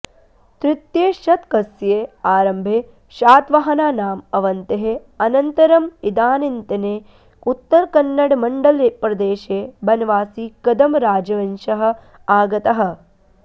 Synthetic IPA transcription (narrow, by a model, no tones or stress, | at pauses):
t̪ɾɪt̪jeːʃɐt̪kɐsjeːaːɾɐmbʱeː | ʃaːt̪ʋɐɦɐnaːnaːmɐʋɐnt̪eɦeɐnɐnt̪ɐɾɐmid̪aːnint̪ɐneː | ut̪ːɐɾkɐnːɐɽmɐɳɖɐlepɾɐd̪eːʃeːbɐnɐʋaːsiːkɐd̪ɐmɾaːd͡ʒɐʋɐnʃɐɦɐ̆ | aːɡɐt̪ɐɦɐ̆